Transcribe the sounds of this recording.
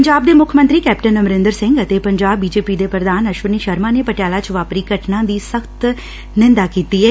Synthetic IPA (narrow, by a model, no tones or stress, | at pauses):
ɲd͡ʒaːb̚d̪eːmʊkʰmənt̪ɾiːkɛːp̚ʈənːəmɾɪ̃nd̪əɾsɪ̃ŋɡət̪eːpəɲd͡ʒaːbːiːd͡ʒeːpiːd̪eːpɾəd̪aːnəʃʋəniːʃəɾmãːneːpəʈejaːlaːt͡ʃʋaːpɾiːkəʈʰnãːd̪iːsəkt̪ | nɪ̃nd̪aːkiːt̪iːɦɛː